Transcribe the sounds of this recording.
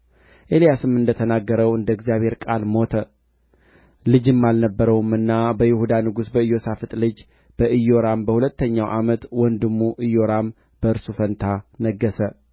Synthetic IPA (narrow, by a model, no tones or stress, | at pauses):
ʔelijasɨmɨnd̪ət̪ʰənaɡːəɾəwɨnd̪əɡzijaβhe̞ɾkʼalmo̞t̪ʰə | lɨd͡ʒɨmːalnəbːəɾəwumɨnːabəjɪhud̪anɨɡusbəɨjːo̞safɨt̪ʼlɨd͡ʒ | b̥əʔɨjo̞ɾambəhulət̪ːəɲːawʔamət̪wɔnd̪ɨmːuʔɨjo̞ɾam | b̥əɨɾsufənt̪ʰanəɡːəsə